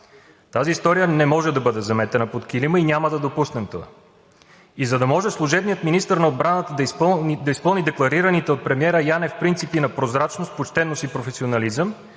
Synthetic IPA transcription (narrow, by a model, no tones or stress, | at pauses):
t̪aziːst̪ɔɾijənɛmɔʒɛd̪ɐbɤd̪ɛzɐmɛt̪ɛnəpot̪kiliməinʲaməd̪ɐd̪opusnɛmt̪oa̰ | izɐd̪ɐmɔʒɛslˠuʒɛbnijət̪minist̪əɾnɐod̪bɾanət̪əd̪d̪ɐispɤlˠnid̪ɛklˠɐɾiɾənit̪ɛot̪̚pɾɛmiɛɾəjanɛfpɾint̪sipinɐpɾozɾat͡ʃnost̪pot͡ʃt̪ɛnost̪ipɾofɛsionɐlizəm